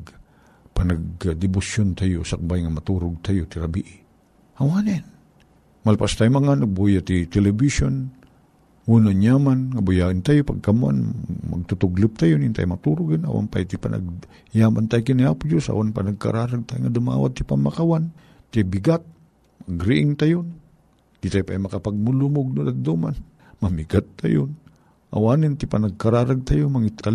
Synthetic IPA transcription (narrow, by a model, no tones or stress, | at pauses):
panaɡd̪ɪbʊsjont̪ajosak̚bajŋamat̪uɾʊɡ̚t̪ajot̪ɪɾabiʔɪ | hawanɛn | malpast̪ajomaŋanak̚bujat̪it̪ɛlɛbison | unanjamanŋabʊjaʔɪnt̪ajopaɡ̚kama̰nma̰ɡ̚t̪ʊt̪ʊɡlɪp̚t̪ajonint̪a̰jmat̪uɾʊɡɪna̰wa̰npa̰jt̪ipa̰nʔa̰ɡ̚ | jaːmant̪ajkɪniaːpʊd͡ʒosa̰wanpa̰nɐɡ̚ka̰ɾaːɾaɡ̚t̪ajŋad̪ʊma̰ːwa̰t̪ːipamakawan | t̪ibɪɡat̪̚ | mɐɡɾɪʔɪŋt̪ajon | d̪it̪ajpajmɐkapaɡ̚mulumʊɡ̚nʊd̪at̪̚d̪uman | mamiɡat̪ːajo̰n | ʔa̰waːnɪnt̪ɪpanɐɡ̚kaɾaːɾaɡ̚t̪ajomaŋit̪a